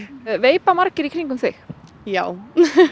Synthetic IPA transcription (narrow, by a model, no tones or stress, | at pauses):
veːjpamaɾcɪɾikʰɾiŋkʏmθɪx | jaːw